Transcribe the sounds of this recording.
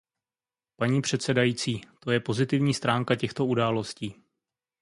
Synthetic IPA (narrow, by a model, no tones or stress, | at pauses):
paɲiːpr̝̥ɛt̪sɛdajiːt͡siːt̪o̞jɛpo̞zɪt̪ɪvɲiːst̪ɾaːŋkacɛxt̪o̞udaːlo̞sciː